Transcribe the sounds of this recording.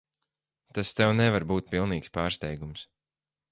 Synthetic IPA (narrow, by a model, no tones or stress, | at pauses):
t̪ast̪ɛwnɛvaɾbuːt̪̚pilˠniːkspaːɾst̪ɛjɡums